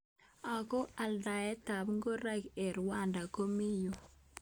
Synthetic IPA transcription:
a˨kɔ˦a˨lda˨ɛ˦ta˨bŋɡo˦ɾa˦ke˨ɾwa˦˨nda˨ko˦mi˦jo˨

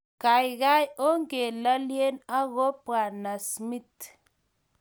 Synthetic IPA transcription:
ka˨jɣa˦jo˦ŋɡe˨la˦lje˦na˦ɣo˦pwa˨na˨smi˦t

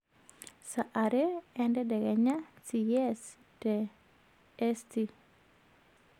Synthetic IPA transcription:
sa˨ʔa˨ɾeɛndɛ˦dɛ˨ɡɛ˨ɲa˦siɛs | te | ɛsti˦

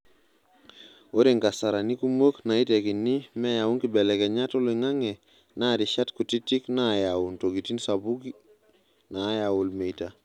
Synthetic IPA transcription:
o˦ɾi˨ŋka˨sa˨ɾa˨ni˦ku˦mo˦kna˨i˦te˨ki˨ni˦me˦ja˨u˦ŋki˨bɛ˨lɛ˨kɛ˨ɲa˦tu˦li˨ŋa˦ŋɛ˨ | na˦ɾi˨ʃa˦tku˨ti˦ti˦kna˦jawu˨nto˨ɡi˨ti˦nsa˨bu˦ɡi˦ | na˨˦jawu˨lme˨jta˨

